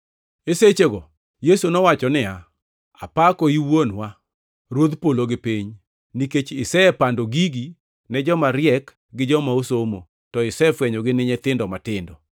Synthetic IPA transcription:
eset͡ʃeɡɔ | jesunɔwat͡ʃɔnɪa | apakɔiwonwa | ɾwod̪poloɡɪpiɲ | niket͡ʃɪsɛɛpandoɡiɡi | nɛd͡ʒɔmaɾjɛk | ɡɪd͡ʒɔmaosomo̰ | tɔɪsɛfwɛɲoɡɪnɪɲɛt̪ɪndɔmatɪndɔ

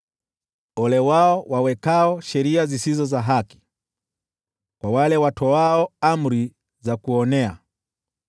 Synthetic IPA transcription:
ɔlɛwaɔwawɛkaɔʃɛɾiazisizɔzaɦaki̥ | kwawalɛwatʰɔaɔam̩ɾi | zakuɔnɛa̰

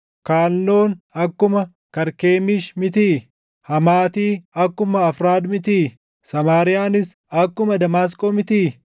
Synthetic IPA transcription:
kaːlːo̞ːnɐkːʊmɐ | kɐɾke̞ːmɪʃmɪt̪iː | hɐmaːt̪iːɐkːʊmɐːfɾaːd̪mɪt̪iː | sɐmaːɾɪjaːnɪs | ɐkːʊmɐd̪ɐmaːs̬kʼoːmɪt̪iː

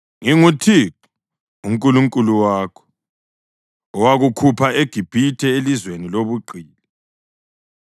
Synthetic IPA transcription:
ŋiŋutʰik | uŋkʼuluŋkʼuluwaːkʰɔ̥ | ɔwaɣukʰupʰaeɡ̥ʱib̥ʱitʰɛelizweniloβuǃiːli

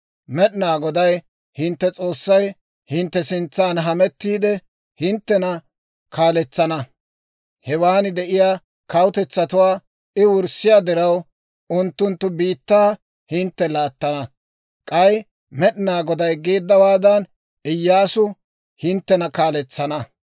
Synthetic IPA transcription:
mɛɗɪnaːɡɔd̪ɐj | hɪnt̪ːɛt͡sʼo̞ːsːɐj | hɪnt̪ːɛsɪnt͡sːaːnɦɐmɛt̪ːiːd̪ɛ | hɪnt̪ːɛnɐ | kaːlɛt͡sːɐnɐ | hɛwaːnɪd̪ɛʔɪjaː | kɐwʊt̪ɛt͡sːɐt̪ʊwaː | ɪwʊɾsɪjad̪ɪɾɐw | ʊnt̪ːʊnt̪ːʊbiːt̪ːaː | hɪnt̪ːɛlaːt̪ːɐnɐ | kʼɐj | mɛɗɪnaːɡɔd̪ɐjɡeːd̪ːɐwaːd̪ɐn | ɪjːaːsʊ | hɪnt̪ːɛnɐkaːlɛt͡sːɐnɐ

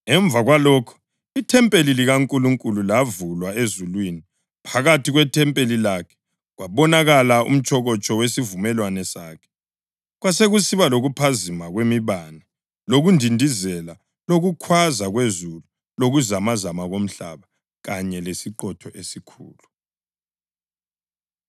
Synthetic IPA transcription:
ɛɱb̪vʱaɣwalɔːkʰɔ̥ | itʰɛmpʼeliliɣaŋkʼuluŋkʼululavulwaezulwini | pʰaɣatʰiɣwɛtʰɛmpʼelilakʰɛ̥ | ɣwaβɔnaɣalaṵm̩t͡ʃʰʼɔɣɔt͡ʃʰʼɔwesivumɛlwanɛsaːkʰɛ̥ | ɣwaseɣusiβaloɣupʰazimaɣwemiβana | loɣundʱindʱizɛla | loɣukʰwazaɣwezulu | loɣuzamazamaɣom̩ɬa̰βa | ɣaɲɛlesiǃɔtʰɔʔesikʰṵːlu

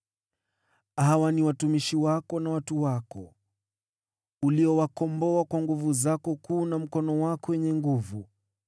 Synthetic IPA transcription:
hawaniwatumiʃiwakɔnawatuwakɔ̰ | uliɔwakɔmbɔakwaŋɡuvuzakɔkuːnam̩kɔnɔwakɔwɛɲɛŋɡuvu

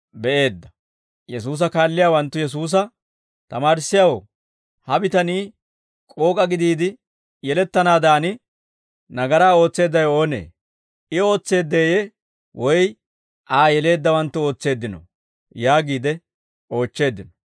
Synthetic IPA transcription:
bɛʔe̞ːd̪ːɐ̥ | jɛsuːs̬ɐkaːlːɪjaːwɐnt̪ːʊjɛs̬uːs̬ɐ | t̪ɐmaːɾɪsːɪjaw | hɐbɪt̪ɐniː | kʼo̞ːkʼɐɡɪd̪iːd̪ɪ | jɛlɛt̪ːɐnaːd̪aːnɪ | nɐɡɐɾaːo̞ːt͡sːe̞ːd̪ːɐjo̞ːnḛː | ʔɪo̞ːt͡sːe̞ːd̪ːeːje | wɔj | ʔaːjɛle̞ːd̪ːɐwɐnt̪ːʊo̞ːt͡sːe̞ːd̪ːɪnɔ̰ | jaːɡiːd̪ɛ | ʔo̞ːt͡ʃːe̞ːd̪ːɪnɔ̥

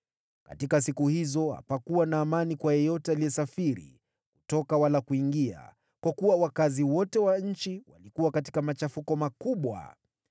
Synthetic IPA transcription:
ka̰tikas̬ikuhizɔha̰pakuwanaːmanikwajɛjɔtɛalijɛsafiɾḭ | kutɔkawalakuiŋɡia̰ | kwakuwawakaziwɔtɛwaɲ̩t͡ʃiwa̰likuwakati̥kamat͡ʃafukɔmakuɓwa̰

